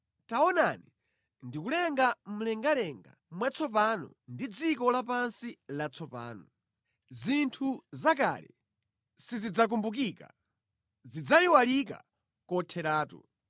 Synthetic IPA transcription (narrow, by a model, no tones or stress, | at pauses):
taɔnanḭ | ndikulɛŋɡam̩lɛŋɡalɛŋɡa̰mwat͡sʰɔp̬anɔ̰ndid͡zikɔlap̬ansilat͡sʰɔpa̰ːnɔ | zintʰuzak̬a̰lɛ̰ | sizid͡zak̬umbuk̬ika̰ | zid͡zajiwalika̰ | kɔtʰɛɾaːtṵ